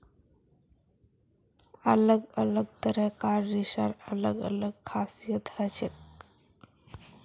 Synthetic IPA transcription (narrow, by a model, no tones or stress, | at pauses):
ələɡələɡt̪əɾəkaɾːiʃa̰ɾələɡə̰ləɡ̚kʰasijət̪hət͡ʃek